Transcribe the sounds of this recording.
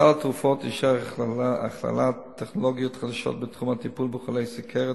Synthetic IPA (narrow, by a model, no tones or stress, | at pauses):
altʁufɔtɪʃa | a̰χla̰latʰːɛχnɔlɔɡjʊtχadaʃɔ̰tbɪtχumatipuːlˠbəχɔleɪsəkʰɛʁə